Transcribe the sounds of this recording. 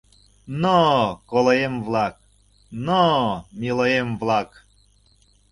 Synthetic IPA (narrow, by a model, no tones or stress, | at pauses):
nokolojemvlˠɑk̚ | nomʲiləjemvlˠɑk